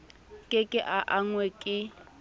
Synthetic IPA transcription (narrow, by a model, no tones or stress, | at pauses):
kʼɪkʼɪʔaʔaŋwɛkʼɪ